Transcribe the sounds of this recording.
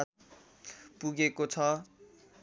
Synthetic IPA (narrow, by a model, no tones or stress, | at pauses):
puɡekot͡sʰʌ